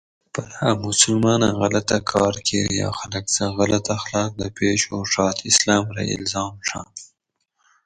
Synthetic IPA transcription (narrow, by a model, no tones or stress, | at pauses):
paɾhamʊsʊlmɑːnaɣalat̪akʰɑːɾkʰeɾjɑ̰xaləksəɣalat̪axlɑːk̚d̪əpeːʃoʂɑːt̪ɪslɑːmɾa̰ʔɪ̰lzɑːmʂɑ̰